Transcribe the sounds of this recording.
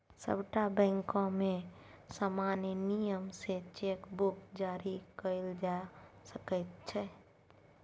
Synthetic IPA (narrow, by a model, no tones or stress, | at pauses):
sə̰bʈabɛ̃ŋkõmẽsamanjənijəmset͡ʃekbukd͡ʒaɾikəɪld͡ʒasəkət̪̚t͡ʃʰɛ